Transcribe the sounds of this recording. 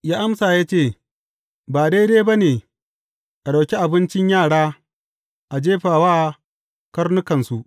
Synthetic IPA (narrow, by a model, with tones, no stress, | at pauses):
jaː˦ʔa˦msaː˨jaː˦t͡ʃeː˦˨ | baː˨deː˦jdeː˦ba˦neː˨ | ʔa˨ɗa˨wkʲi˦ʔa˨bɪ˦nt͡ʃɪ˦ɲjaː˦˨ɽaː˦ | ʔa˨d͡ʒeː˦ɸaː˨waː˦ | kɐ˦rnʊ˦kɐ˨nsu˦ʔ